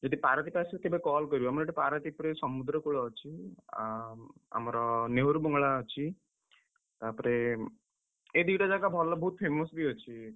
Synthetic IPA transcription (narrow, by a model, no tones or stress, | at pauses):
d͡ʒɔd̪ʱipaɾɔt̪ipasit̪ebekɔlkɔɾibuamɔɾʈipaɾɔt̪ipɾesɔmud̪ɾɔkuɭɔɔt͡ʃʰiaa̰mɔɾɔneɦoɾubɔŋɡɭaɔt͡ʃʰi | t̪apɔɾe | ed̪iʈad͡ʒaɡabʱɔlɔbɔɦut̪̚pʰemɔsbiɦɔt͡ʃʰi